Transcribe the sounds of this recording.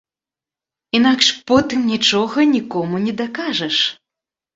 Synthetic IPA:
inakʂpɔt̪ɨmnʲit͡ʂɔɣɐnʲikɔmunʲɛd̪akaʐɐʂ

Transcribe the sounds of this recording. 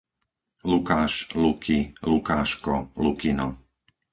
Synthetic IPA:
lukaːʃlukʰilukaːʃkɔlukinɔ

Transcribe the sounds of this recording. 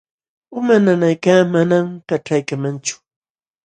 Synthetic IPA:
ʊmananajkaːmanamkaʈ͡ʂajkamant͡ʃʊ̥

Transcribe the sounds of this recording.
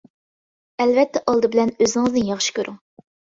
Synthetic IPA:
ɛlvɛt̪ʰːɛʔɑlˠd̪ɨbɪlɛnøzɪŋɨznɨnjɑχʃi̥kʲʰøɾyŋ

